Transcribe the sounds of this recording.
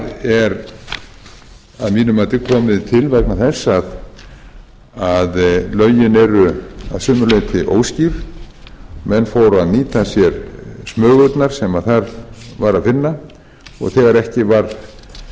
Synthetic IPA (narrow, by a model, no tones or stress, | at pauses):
ðɛɾ | aðmiːnʏmaːt̪ɪkʰɔːmɪðt̪ʰɪlvɛknaθɛsːað | aðlœɥjɪnɛɾʏa̰ðsœːmʏɾlejt̪ʰɪʔo̰ːwsciɾ | mɛnːfoːwɾaðniːt̪asjɛɾsmœːɣœt̪naɾ̥sɛmaðθaɾvaɾaðfɪnːa | ɔ̰ɣθɛːɣaɾɛhcɪvaɾ